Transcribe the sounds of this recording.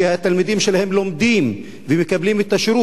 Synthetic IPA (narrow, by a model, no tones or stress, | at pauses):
hat̪ːalmid̪imʃelahemlomd̪im | vemekablimet̪ːaʃɾu